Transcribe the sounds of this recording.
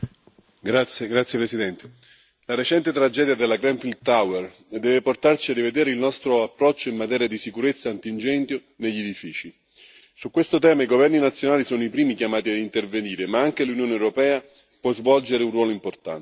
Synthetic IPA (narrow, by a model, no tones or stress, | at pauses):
ɡɾat̪sɡɾat̪sːjepɾesid̪ɛnt̪e | laɾet͡ʃɛnt̪et̪ɾad͡ʒɛːd̪jad̪elːaɡɾɛmfild̪̚t̪awer | d̪ɛːveport̪art͡ʃiadived̪ɛːɾeilnɔst̪ɾoapːɾɔt͡ʃːoimmat̪ɛːɾjad̪isikuɾet̪sːaant̪ind͡ʒɛnt̪jo | neʎːed̪ifiːt͡ʃi | sukwest̪ot̪ɛːmaiɡovɛrninat̪sːjonaːlisɔːnoipɾiːmikjamaːt̪iad̪int̪erveniːɾemaaŋk̟elunjoːneɛwɾopɛːa | pwɔzvɔld͡ʒeɾeunrwɔːloimport̪a̰n